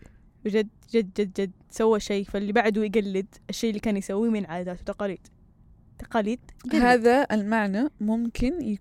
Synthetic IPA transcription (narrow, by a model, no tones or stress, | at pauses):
wɪd͡ʒad̪ | d͡ʒad̪̚d͡ʒad̪̚d͡ʒad̪ | sawːaʃeːfalːibaʕd̪ujɡalːɪd̪ʔaʃːeːʔlːiːkaːnjsawːimɪnʕaːd̪aːt̪wt̪aqɑːliːd̪̥ | t̪ɑ̥qɑːliːd̪̥̚haːðaʔɪlmaʕnamʊmkʰɪnja